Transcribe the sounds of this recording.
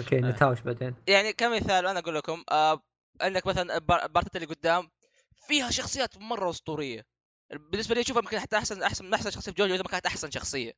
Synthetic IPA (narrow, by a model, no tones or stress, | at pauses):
okeːnɪt̪aːwɪʃbad̪eːnjaʕnikamːɪθaːlʔanaʔaɡuːlːakʊmʔa | ʔɪnd̪akmaθalanɪbɑbɑɾˤt̪aːt̪alːiːɡʊd̪ːaːm | fiːhaʃɑxsˤɨjːaːt̪mɑrˤːɑwʊsˤt̪ˤuːɾɪjːa̰ | bɪnːɪs̬baliːʃuːfjɪmkɪnħat̪ːaʔaħsanʔaħsanʔaħsanʃɑxsˤɨjːaɪd͡ʒoːd͡ʒwɪðamakant̪ʔaħsanʃɑxsˤɨjːa̰